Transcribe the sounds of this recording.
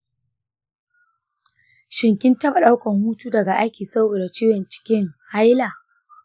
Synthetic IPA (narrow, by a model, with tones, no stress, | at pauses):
ʃɪ˨ŋkʲɪ˦ntɐ˦ɓa˨ɗa˦wkɐ˨mhuː˦tuː˦dɐ˨ɡa˨ʔa˦kʲiː˨sa˦woː˨da˨t͡ʃiː˦wɐ˨nt͡ʃɪ̥˨kʲɪ˦ŋha˦jla˨